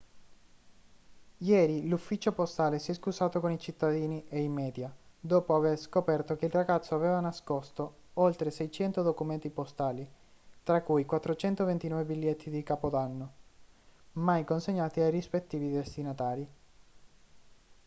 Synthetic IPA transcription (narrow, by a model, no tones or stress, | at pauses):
jɛːɾilufːit͡ʃopost̪aːlesiɛskusaːt̪okonit͡ʃit̪ːad̪iːniʔeimɛːd̪jad̪oːpoaverskopɛrt̪ok̟eilraɡat̪sːoavɛːvanaskost̪o | olt̪ɾesɛjt͡ʃɛnt̪od̪okument̪ipost̪aːli | t̪ɾakːujkwat̪ːɾot͡ʃɛnt̪ovent̪inɔːvebilʎːet̪ʰːid̪ikaːpod̪anːo | majkonseɲːaːt̪iajrispet̪ːiːvid̪est̪inat̪aːɾi